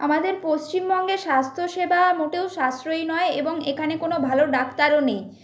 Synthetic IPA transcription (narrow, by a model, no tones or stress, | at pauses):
amad̪eɾpost͡ɕimbɔŋɡeʃast̪ʰoʃebʱamoʈewʃasɾojnɔeeboŋekʰanekonobʱaloɖakt̪aɾonej